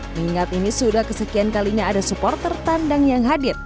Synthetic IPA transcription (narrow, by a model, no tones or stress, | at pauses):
miŋat̪inisudahkəsəkiankaliɲaːdasupɔrt̪ərt̪andaŋjaŋɦadɪr̚